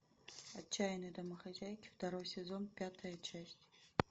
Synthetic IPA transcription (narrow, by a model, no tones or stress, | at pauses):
ɐt͡ʃʰːajnɨd̪ɐmɐxazʲajkʲft̪ɐɾojsʲezonpʲat̪ʰɐjɐt͡ʃʰasʲtʲ